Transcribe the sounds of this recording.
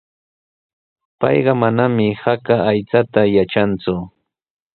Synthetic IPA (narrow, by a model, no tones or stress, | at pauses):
pɑ̰jɢɑmanamɪhakaːjt͡sat̪ajaʈ͡ʂant͡sʊ